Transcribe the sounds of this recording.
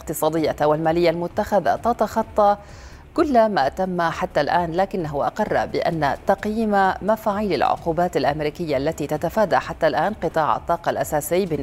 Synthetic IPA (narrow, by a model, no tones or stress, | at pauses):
qt̪ɨsˤɑːd̪ɪjːawalmaːlɪjːalmʊt̪ːaxaða̰t̪ɑt̪ɑxɑt̪ˤːɑ | kʊlːmat̪amːaħat̪ːalʔaːnlaːkɪnːaɦʊʔɑ̰qɑrˤːɑ̰bɪʔa̰nːat̪ɑqjiːmamafaːʕiːla̰lʕʊ̰quːbaːt̪alʔamɾiːkɪjːaʔlːat̪it̪at̪afaːd̪aħat̪ːalʔaːnqɨt̪ˤɑːʕɑ̰t̪ˤːɑːqɑlʔasaːsɪjːbɪn